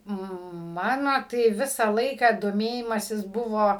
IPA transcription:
ˈmɑːnoː tɐɪ ˈʋʲɪsɑː ˈlˠɐɪkɑː doːˈmʲeːjɪmɐsʲɪs ˈbʊʋoː

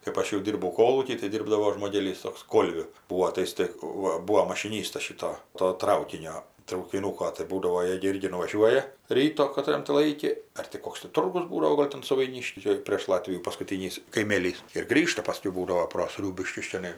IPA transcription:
kɜpˈɐʃ jɛʊ ˈdʲiːrbɐʊ ˈkoːlˠuːkʲiː tɐɪ ˈdʲɪrbdɐʋoː ʒmoːˈɡʲeːlʲiːs ˈtoːks ˈkoːlʲʋʲʊ ˈbuːoː tɐɪ ˈjɪs tɐɪ ˈʋɐ ˈbuːoː mɐʃʲɪˈnʲiːstɐs ˈʃʲɪtoː toː ˈtrɐʊkʲɪnʲoː trɐʊkʲɪˈnuːkoː tɐɪ ˈbuːdɐʋoː ˈjeː ɡʲɪ ˈɪrʲɡʲɪ nʊʋɐˈʒʲuɔjɛ ˈrʲiːtoː kɐˈtrɐn tʲɪ ˈlˠɐɪkʲɪ ɐr tʲɪ ˈkoːks tʲɪ ˈtʊrɡʊs ˈbuːdɐʋoː ˈɡoːlʲ tɐm sʊʋɐɪˈnʲɪʃʲkʲiː ˈt͡ʃʲɛ pʲrʲeːʃ ˈlˠɑːtʲʋʲɪjuː pɐskʊˈtʲiːnʲiːs kɐɪˈmʲeːlʲiːs ɪr ˈɡrʲiːʃtɐ pɐˈsʲkʲɛʊ ˈbuːdɐʋoː proː ˈsʲrʲuːbʲɪʃʲkʲʊs t͡ʃʲɛˈnɐɪ

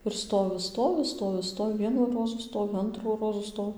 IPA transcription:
ɪr ˈstoːʋʲɪ ˈstoːʋʲɪ ˈstoːʋʲɪ ˈstoːʋʲɪ ˈʋʲiɛnuː ˈroːzuː ˈstoːʋʲɪ ˈɐntruː ˈroːzuː ˈstoː

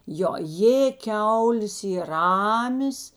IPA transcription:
ˈjoː ˈjeː ˈkʲɛʊlʲeːs ˈiːr ˈrɑːmʲeːs

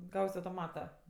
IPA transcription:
ˈɡɐʊsʲ ɐʊtoːˈmɑːtɐ

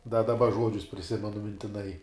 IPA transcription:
dɐ dɐˈbɐ ˈʒuɔd͡ʒʲʊs pʲrʲɪˈsʲɪmʲɛnʊ mʲɪnʲtʲɪˈnɐɪ

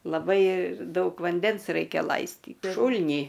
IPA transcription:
lˠɐˈbɐɪ ˈdɐʊk ʋɐnʲˈdʲɛns ˈrɐɪkʲɛ ˈlˠɐɪsʲtʲiːt ˈʃuːlʲnʲiː

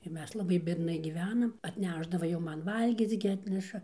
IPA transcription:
ɪr ˈmʲɛs lˠɐˈbɐɪ bʲiɛdˈnɐɪ ɡʲiːˈʋʲæːnɐm ɐtʲˈnʲæʒdɐʋɐ jɛʊ ˈmɐn ˈʋɐlʲɡʲiːt͡s ɡʲɪ ˈɑːtʲnʲɛʃɐ

